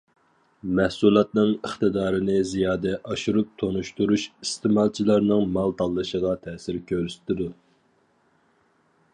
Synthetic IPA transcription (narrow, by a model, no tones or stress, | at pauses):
mɛhsulˠɑt̪̚nɨŋəχt̪ɨd̪ɑːɾɨnɪzijɑːd̪ɛʔɑʃuɾup̚t̪ʰonuʃt̪uɾuʃist̪ʰɨmɑlˠt͡ʃʰilˠɑɾnɨŋmɑlˠt̪ʰɑlˠːɨʃəʁɑt̪ʰɛːsɪɾkʲʰøɾsɪ̥t̪ʰɪd̪u